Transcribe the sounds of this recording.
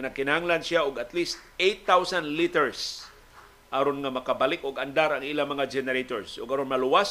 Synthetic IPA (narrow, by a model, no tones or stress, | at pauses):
nɐɡ̚kɪnahaŋlansjaʊɡat̪list̪̚ejt̪ːawsand̪lit̪ɛɹs | ʔaɾonŋamɐkabalɪkʊɡand̪aɾaŋʔilamɐŋad͡ʒɛnɛɾet̪oɹsʊɡaɾonmalʊwas